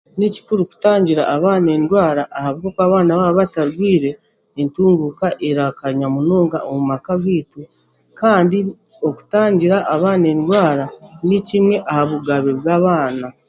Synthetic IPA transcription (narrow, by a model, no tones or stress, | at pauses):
nici̥kuɾuku̥taːɲɟiɾa̰ʔːβaːne̞ːndwaːɾaʔːhaβɡokaβaːnaβaβataɾɡwiːɾe̞ː | ntuːŋɡukaʔeɾakaɲamunoːŋɡa̰ʔomumakaɡiːtu | kaːndi | o̞ku̥taːɲɟiɾaʔːβaːne̞ːndwaːɾanicimŋwe̞ʔahaβuɡaβeβɡaːβaːna